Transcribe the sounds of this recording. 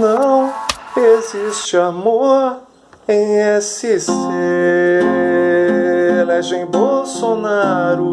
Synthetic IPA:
nɐ̃w̃ezist͡ʃɪamoɾ | ẽj̃ɛsise | lɛʒẽj̃bowsonaɾʊ

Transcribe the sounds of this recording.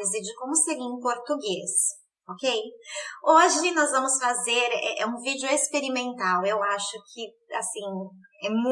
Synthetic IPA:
ɪzɪd͡ʒɪkõmʊseɾiẽpoɾt̪uɡes | okejoʒɪnɔzvɐ̃mʊsfazeɾɛ̰ũvid͡ʒʊespeɾimẽnt̪awewaʃʊkʰɪ | a̰sĩ | ɛmũ

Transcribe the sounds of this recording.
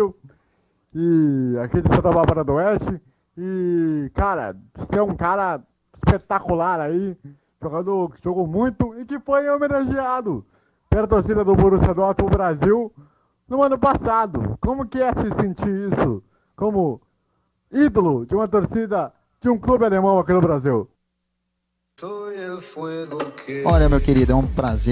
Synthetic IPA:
w | ɪakid͡ʒɪsɐ̃t̪ɐbapaɾɐd̪ʊɛst͡ʃɪ | ɪkaɾɐ̰sɛũkaɾɐ | ɪspet̪akulaɾai | ʒ̥oɡɐ̃nd̪ʊʒoɡʊmũj̃t̪ʊɪkɪfojomenaʒiad̪ʊ | kɛɾɐt̪oɾsid̪ɐd̪ʊboɾusad̪ɔɾt̪ʊbɾaziw | nʊɐ̃nʊpasad̪ʊ̰kõmʊkɪɛsɪsẽnt͡ʃiɾisʊ̰ | kõmʊ | id̪olʊd͡ʒɪũmɐt̪oɾsid̪ɐ | d͡ʒɪũklubɪalemɐ̃w̃akinʊbɾaziw | soefojʊkʰɔʎɐmewkeɾid̪ʊɛũpɾaze

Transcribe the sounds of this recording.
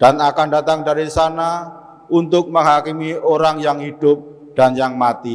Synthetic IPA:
d̥anakandat̪aŋdaɾisana | unt̪ʊk̚məŋɦakimioɾaŋjaŋhid̥ʊp̚ | d̥anjaŋmat̪i

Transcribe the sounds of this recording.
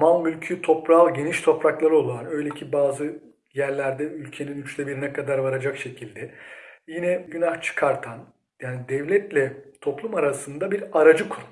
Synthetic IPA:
malˠmylʲcʰyt̪ʰo̞pɾalˠɟe̞niʃt̪ʰo̞pɾaklˠaɾɯo̞lˠaːnø̞jlʲecʰibaːzɯ | jæɾlʲæɾd̪ɛylʲcʰe̞ninyt͡ʃlʲɛbiɾinɛkʰad̪aɾvaɾad͡ʒakʃe̞cʰilʲd̪ɛjinɛɟynaht͡ʃʰɯ̥kʰaɾt̪ʰan | jaːnid̪ɛvlʲɛt̪lʲɛt̪ʰo̞plˠumaɾasɯnd̪abiɾaɾad͡ʒɯkʰuɾum

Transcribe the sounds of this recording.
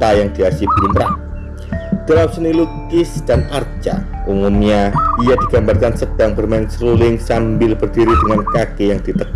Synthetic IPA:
ajaŋd̥iasibumɾa | d̥alamsəniluɡɪsd̥anart͡ʃa̰umumɲaijadiɡambarkansəd̥aŋbərmaɪŋsəɾulɪŋsambɪlb̥ərdiɾidəŋankakejaŋdit̪ək

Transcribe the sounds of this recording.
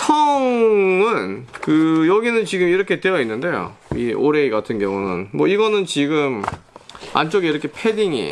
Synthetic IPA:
tʰʌŋɯnkɯjʌɡinɯnt͡ɕiɡɯmiɾʌkʰe̞t͈weʌinːɯnde̞jo̰ | iʔoɾe̞iɡatʰɯnɡjʌŋunɯ̰nmwʌiɡʌnɯnt͡ɕiɡɯm | a̰nt͡ɕ͈oɡiiɾʌkʰepʰe̞diŋḭ

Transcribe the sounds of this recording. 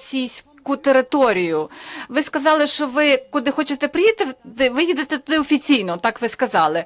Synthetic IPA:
sʲijsʲ | kʊt̪eɾɪt̪ɔɾʲijʊʋɪskɐzɑlˠɪʃt͡ʃɔʋɪkʊd̪ɪxɔt͡ʃet̪ɛpɾɪjit̪ɪɪʋɪjid̪et̪ɛt̪ʊd̪ɪɔfʲit͡sʲijnɔt̪ɑkʋɪskɐzɑlˠɪ

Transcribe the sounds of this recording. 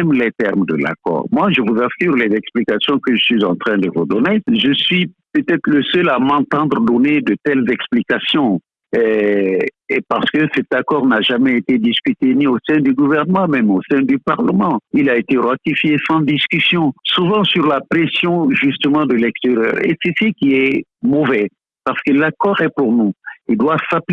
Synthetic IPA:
ɛmlɛt̪ɛʁmd̪ə̰la̰kɔ̰ːʁmwaʒəvuzasyʁlɛzɛksplikasjɔ̃kəʒəsɥizɑ̃t̪χɛ̃d̪əvud̪ɔneʒəsɥipøt̪ɛt̪ʁləsœlamɑ̃t̪ɑ̃d̪ʁəd̪ɔned̪ət̪ɛlzɛksplikasjɔ̃ | ɛ | epaʁsə̥kəsɛt̪akɔʁnaʒamɛet̪ed̪iskʲyt̪eniosɛ̃d̪yɡuvɛʁnəmɑ̃mɛmosɛ̃d̪ypaʁləmɑ̃ilaet̪eʁwat̪ifjesɑ̃d̪iskysjɔ̃suvɑ̃syʁlapχesjɔ̃ʒyst̪əmɑ̃d̪əlɛkst̪eʁjœ̰ːʁḛsɛsikiɛmovɛ | paʁsə̥kəlakɔʁɛpuʁnuild̪wavsapl

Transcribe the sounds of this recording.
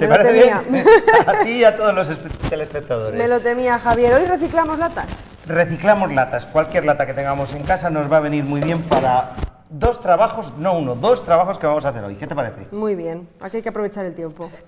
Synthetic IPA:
t̪epaɾeeeβjeaat̪iat̪oðo̞zlo̞s̬espet̪elespe̞k̚t̪aðoɾeme̞lo̞t̪e̞miaxaβje̞ɾo̞jre̞θiklamozlat̪as | re̞θiklamo̞zlat̪askwalkje̞ɾlat̪ake̞t̪e̞ŋɡamo̞se̞ŋkasano̞zβaːβ̞e̞niɾmujβ̞je̞mpaɾa | ðo̞st̪ɾaβaxo̞sno̞unoðo̞st̪ɾaβaxo̞skeβamo̞saθe̞ɾojke̞t̪e̞paɾe̞θe̞̰mujβje̞na̰kiajkeapɾo̞βet͡ʃaɾe̞lt̪je̞mpo

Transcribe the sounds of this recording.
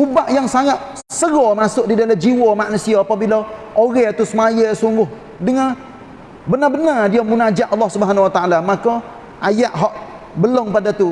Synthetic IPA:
ubaʔjaŋsajaʔ | səɣɔmasʊʔ̚didalad͡ʒiwɔmaʔnusiɔapabila | oɣɛat̪usəmajəsuŋɡʊh | dəŋa | bənabənardiamunad͡ʒaʔɑlːɔhsubəɦanawat̪aalamakɔ | ʔajaʔɦɔʔ | bəloŋpadat̪u

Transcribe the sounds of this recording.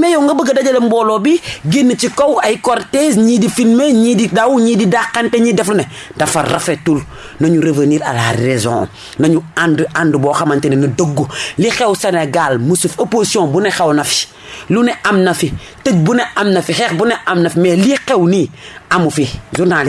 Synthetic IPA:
mejoŋɡɐbəɡɐdaɟɐlɐmboːlobiɡinːət͡ʃikowajkoɾtezɲidifilmeɲididawuɲididakːanteɲiːdɐflune | dɐfarafetul | nɐɲuɾeveniːɾa̰laɾezõ̰ | nɐɲuandʔandboxamantenenɐdoɡːulixewseneɡalmusufoposjõbunexewnɐfi̥ | luneʔamnɐfi | təɟ̚buneʔamnɐfixeːxbuneʔamnɐfimelixewniamufizuɾnali

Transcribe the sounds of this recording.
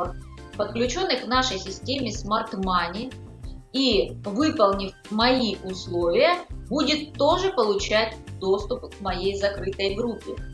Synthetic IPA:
pət̪̚klʲʉt͡ɕo̞nːɨxkvnaʂəjsʲɪsʲtʲemʲɪsmɐrt̪manʲɪ | ivɨpəlˠnʲɪfʲ | mɐiʊslˠo̞vʲɪjəbudʲɪt̪ːo̞ʐɨpəlˠʊt͡ɕæt̚ʲd̪o̞st̪ʊpkmɐjejzɐkɾɨt̪əjɡɾupʲːɪ

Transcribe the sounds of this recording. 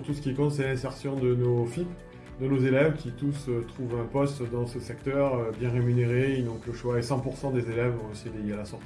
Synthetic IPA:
t̪usə̥kʲikɔ̃t̪sɛlɛ̃sɛʁsjɔ̃d̪ənofip | d̪ənozelɛvkʲʰit̪usøt̪χuvɛ̃pɔst̪d̪ɑ̃səsɛkt̪œʁøbjɛ̃ʁemyneʁeinɔ̃kləʃwaesɑ̃puʁsɑ̃d̪ezelɛvɔ̃eseed̪ejealasɔʁt̪i

